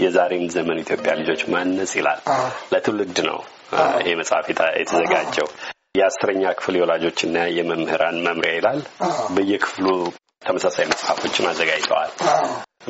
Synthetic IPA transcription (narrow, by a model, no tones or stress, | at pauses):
jɛzaɾenzəmənit̪ʰjo̞pʼjalɨd͡ʒo̞t͡ʃːmanːəsʼila̰lːət̪ʰɨlɨɡd̪nə̰w | ḭhe̞məsʼha̰fjɛ̰t̪ʰəzəɡad͡ʒːɛw | jɛasɨɾəɲːakʰɨ̥fljɛwɔlad͡ʒo̞t͡ʃːɨnːajɛməmhɨɾanməmɾjajɪlalbəjːɛkʰɨ̥flu | t̪ʰəməsasajməsʼhafo̞t͡ʃːmazːəɡajt̪ʰə̰wa̰l